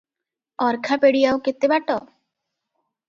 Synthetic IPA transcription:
ɔɾkʰapeɽiawket̪ebaʈɔ

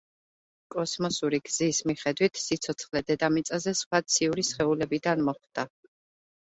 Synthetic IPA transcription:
kʼɔsmɔsuɾiɡz̥ismiχɛd̪wit̪ʰsit̪sʰɔt̪sʰχlɛd̪ɛd̪amit̪sʼazɛsχwat̪sʰiuɾisχɛulɛbid̪anmɔχd̪̥a

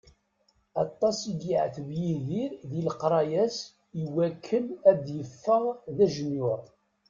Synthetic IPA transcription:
ɑt̪ˤːɑsiɡiʕθvjiðiɾðilqɾˤɑjæs | iwækʰːəlæd̪jəfːəʁðæʒənːʊɾˤ

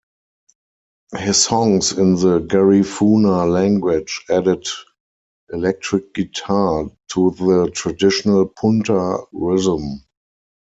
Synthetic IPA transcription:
hɪsɔ̃ŋsɪ̃nðəɡɛɹifuːnalæ̃ŋɡwɪd͡ʒædɪd | ʔɛlɛk̚tɹɪk̚ɡ̥itʰatʰuðətʰɹadɪʃonəlpʰʊ̃ntəɹɪzə̃m

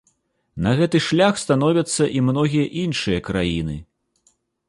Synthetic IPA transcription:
nɐɣɛt̪ɨʂlʲaxst̪anɔvʲɐt̪sːɐʔimnɔɣʲijɐʔinʂɨjɐkɾajinɨ

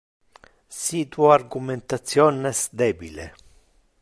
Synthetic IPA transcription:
sit̪uarɡument̪at̪sːjɔnesd̪eːbilḛ

